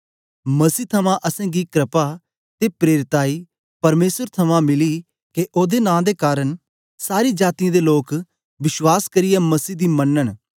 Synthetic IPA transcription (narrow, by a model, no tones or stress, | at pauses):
mɐsiːt̪ʰɐmãʔɐsɛ̃ːɡikɾɪpa | t̪epɾeːɾɪt̪aːiː | pɐɾmeːsəɾt̪ʰɐmãmɪli | keʔoːd̪enãːd̪ekaːɾən | saːɾiːd͡ʒaːt̪ɪjãːd̪eloːk | ʋɪʃwaːskɐɾɪjaːmɐsiːd̪iːmənːən